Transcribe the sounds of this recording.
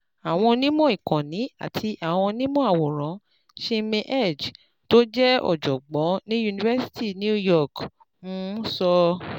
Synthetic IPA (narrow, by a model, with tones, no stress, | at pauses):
a˨w̃ɔ̃˧nĩ˦mɔ̃˦i˨kã˨nĩ˨˦a̰˦˨tʰi˧ʔa˨w̃ɔ̃˧nĩ˦mɔ̃˦a˦˨wɔ˨ɾ̃ã˨˦ | ʃi˦mẽ˧ʔɛ˦˨d͡ʒ | to˦d͡ʒɛ˦ɔ̰˨d͡ʒɔ˨ɡ͡bɔ˨˦nĩ˦ju˧nĩ˧vɛ˦si̥˦ti˦˨nĩ˦u˦jɔ˦˨k | mũ˦sɔ˧